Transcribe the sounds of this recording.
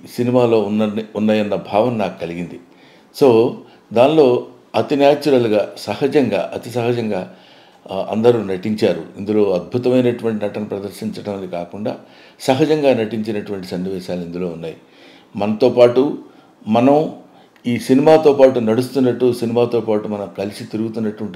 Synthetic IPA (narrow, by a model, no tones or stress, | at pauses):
sinimaːlo̞ːunːɐunːajɐnːɐbʱaːʋɐnnaːku̥kɐliɡind̪i | so̞ː | d̪aːnlo̞ː | ɐt̪inaːt͡ʃːuɾɐluɡaːsɐhɐd͡ʒɐŋɡa̰ːʔɐt̪is̬ɐɦɐd͡ʒɐŋɡaː | ɐ̰nd̪ɐɾunɐʈiɲt͡ʃaːɾṵind̪ulo̞ːɐd̪̚bʱut̪ɐmɐjnɐʈuʋɐɳʈinɐʈɐnupɾɐd̪ɐɾʃiɲt͡ʃɐɽɐmɐd̪ikaːkuɳɖa̰ː | sɐɦɐd͡ʒɐŋɡaːnɐʈiɲt͡ʃinɐʈuʋɐɳʈisɐnːiʋɛːʃaːlind̪ulo̞ːunːaːji | mɐnɐt̪o̞ːpaːʈu | mɐnɐm | iːsinimaːt̪o̞ːpaːʈunɐɽust̪unːɐʈːusinimaːt̪o̞ːpaːʈumɐnɐmkɐlisit̪iɾuɡut̪unːɐʈuʋɐɳʈi